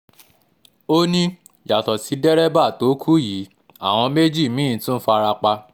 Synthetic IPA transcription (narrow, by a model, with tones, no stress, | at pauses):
o˦nĩ˦ | ja˨tɔ˨si˨˧dɛ˦ɾɛ˦ba˦˨to˨˦kʰu˦ji˨˦ | a̰˦˨w̃ɔ̃˧me˦d͡ʒi˦˨mĩ˨˦˨tũ˦n̩˦fa˧ɾa˧k͡pa˧